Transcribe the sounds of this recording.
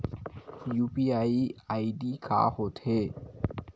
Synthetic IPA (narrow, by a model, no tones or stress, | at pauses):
jupiaiaiɖikʰa̰hot̪ʰe